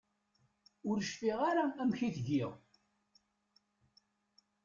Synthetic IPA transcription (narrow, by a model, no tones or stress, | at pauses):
ʊɾəʃfiʁaɾaæmçiθʝɪʁ